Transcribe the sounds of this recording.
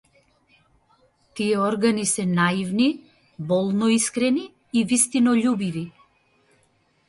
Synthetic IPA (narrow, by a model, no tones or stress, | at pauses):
t̪iɛɔɾɡanisɛnaivni | bɔlˠnɔiskɾɛniː | vist̪inɔʎubivi